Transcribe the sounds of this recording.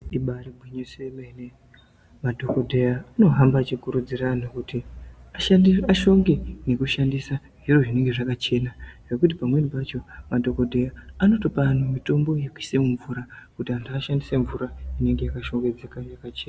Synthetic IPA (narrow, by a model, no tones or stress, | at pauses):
iɓaɾibʱwiɲusemene | madʱo̞kodʱejaano̞ɦambat͡ʃikuɾud͡ziranukutiaʃaaʃo̞ŋɡe̞ne̞kuʃandisa | ʐiro̞ʐine̞ŋɡe̞ʐakat͡ʃe̞naʐ̥e̞kut̬ipamwe̞nipat͡ʃo̞madʱo̞ko̞dʱe̞jaano̞to̞pan̤umito̞mbo̞jekwi̥se̞muɱvuːɾakutiandʱaaʃandiseɱvuɾaine̞ŋɡe̞jakaʃo̞ŋɡe̞d͡zekaʐakat͡ʃeːna